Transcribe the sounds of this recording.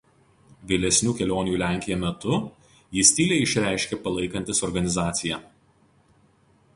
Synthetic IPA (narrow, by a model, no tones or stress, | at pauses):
ʋʲɪlʲɛsʲnʲuːkʲɛlʲoːnʲjuːlʲæˑŋʲkʲɪjɛmʲɛt̪ʊ | jɪsʲt̪ʲiːlʲɛɪɪʃʲɾʲæˑɪʃʲkʲɛpɐlˠɐɪkɐnʲt̪ʲɪsɔɾɡɐnʲɪzɑːt̪sʲɪjɛ